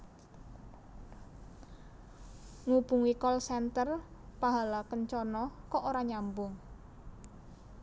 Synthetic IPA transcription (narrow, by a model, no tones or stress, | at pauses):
ŋubuŋikɔlsɛnt̪ərpaɦalakənt͡ʃɔnɔkɔʔoɾaɲambʊŋ